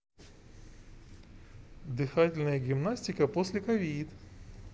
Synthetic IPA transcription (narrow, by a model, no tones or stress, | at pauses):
d̪ɨxatʲɪlʲnəjəɡʲɪmnasʲtʲɪkəpo̞sʲlʲɪkɐvʲid̪